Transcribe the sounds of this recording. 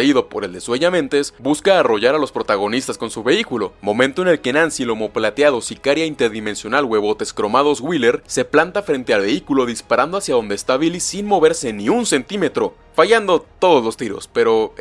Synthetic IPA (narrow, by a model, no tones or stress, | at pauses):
iðo̞po̞ɾe̞ld̪e̞sweʝamẽ̞nt̪esbuskaːro̞ʝaɾalo̞spɾo̞t̪aɣ̞o̞nist̪asko̞nsuβe̞ikulo̞mõ̞mẽnt̪o̞e̞ne̞lke̞nãnsilo̞mo̞plat̪jaðo̞sikaɾjaint̪e̞ɾðime̞nsjo̞nalwe̞βo̞t̪e̞skɾo̞maðo̞zɣwile̞ɾse̞plant̪afɾe̞nt̪e̞alβe̞ikulo̞ðispaɾand̪o̞asjaðo̞nd̪eːst̪aβilisinmo̞βe̞ɾse̞nĩunse̞nt̪ime̞t̪ɾo̞ | faʝand̪o̞t̪o̞ðo̞zlo̞st̪iɾo̞̰spe̞ɾo̞